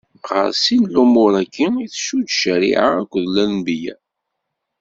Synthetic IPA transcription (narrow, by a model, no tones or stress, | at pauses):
ʁə̰ɾsinlumʊɾækːəiθʃud̪ʃəɾḭʕa̰ækʷːðlænbijæ̰